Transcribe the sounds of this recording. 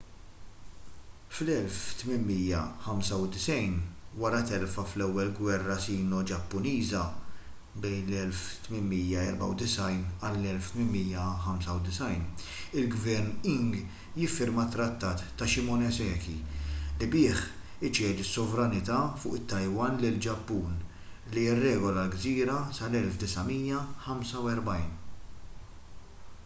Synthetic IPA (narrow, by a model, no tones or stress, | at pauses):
flɛlft̪mɪnmiːjːɐħɐmsɐwd̪ɪsɛjnwɐɾɐt̪ɛlfɐflɛwːɛlɡwɛrːɐsiːnɔd͡ʒɐpːʊniːzɐ | bɛjnlɛlft̪mɪnmijɐɛɾbɐ̰wd̪ɪsɐjnɐlːɛlft̪mɪnmiːjːɐħɐmsɐwd̪ɪsɐjn | ɪlɡvɛɾnɪŋɡ | jɪfːɪɾmɐt̪ːɾɐt̪ːɐːt̪ːɐʃɪmɔnɛsɛːkilibɪːħ | ɪt͡ʃɛːd̪isːɔvɾɐnɪt̪ɐːfʊːʔɪt̪ːɐjwɐːnlɪld͡ʒɐpːuːn | liɪrːɛːɡɔlɐlɡziːɾɐsɐlɛlfd̪ɪsɐmiːjːɐħɐmsɐwɛɾbɐjn